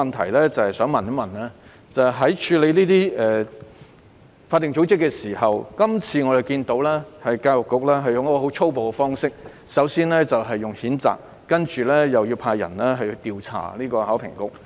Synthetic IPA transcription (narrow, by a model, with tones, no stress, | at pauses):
ɐ˨nt̪ʰɐ˨˩jlɛː˥t͡sɐ˨˧hɐ˨jsœː˨˥ŋmɐ˨n˥mɐ˨˩nɛ˥ | t͡sɐ˨wɦɐ˨˥jt͡ʃʰyː˨˧le˨˧jniː˥t̪iː˥ɛ˨ | faː˧t̪ːɪ˨ŋt͡so˨˥wt͡sɪ˥kːɛː˧siː˨˩hɐ˨˩wkɐ˥mt͡sʰiː˧ŋɔ˨˧ɾe˨jkiː˧nt̪o˨˥wlɛː˥hɐ˨jkaː˧jwʊ˨kːʊ˨k̚lɛː˥ɦɐ˨jʊ˨ŋjɐ˥kɔː˧ho˨˥wt͡sʰo˥wpo˨wkɛ˧fɔː˥ŋsɪ˥k̚ | sɐ˨˥wsiː˥nlɛː˥t͡sɐ˨wɦɐ˨jːʊ˨ŋhiː˨˥nt͡sa̰ː˨k̚ːɐ˥nt͡ʃyː˨lɛː˥jɐ˨wji˧wpʰaː˧jɐ̰˨˩nlɛː˥ɦɐ˨˩jt̪iː˨wt͡sʰa̰ː˨˩liː˥kɔː˧haː˨˥wpʰɪ̰˨˩ŋkʊ˥k̚